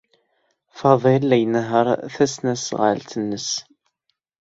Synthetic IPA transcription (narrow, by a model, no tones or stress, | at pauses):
fɑðˤɪlːæjnəɦəɾˤθæsnæsʁə̰lt̪ənːəs